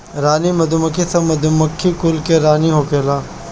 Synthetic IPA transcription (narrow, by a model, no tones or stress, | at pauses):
ɾaːnimɐd̪umɐkʰːisɐmɐd̪umɐkʰːikʊlkeɾaːniɦoːkeːlaː